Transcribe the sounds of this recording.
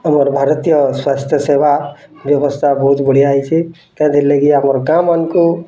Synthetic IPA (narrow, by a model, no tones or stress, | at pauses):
ɦəməɾbʱaɾt̪ijəswast̪ʰjəsebabjəbəst̪ʰabəɦut̪bəɽ̤iait͡ʃʰi | k̪ãd̪iɾləɡiɦəməɾɡamənko